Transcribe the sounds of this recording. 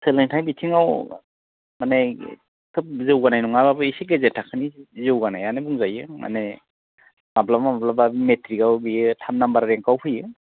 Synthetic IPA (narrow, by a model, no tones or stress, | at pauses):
sɯlɯŋtʰajbitʰiŋaw | mane | kʰɯp̚zɯwɡanajnuŋababɯisiɡezetʰːakʰɯnizɯwɡanajanebuŋzajɯma̰ne | ŋablamaablababimetʰɾikawbitʰamnambaɾɾeŋkawpʰɯjɯ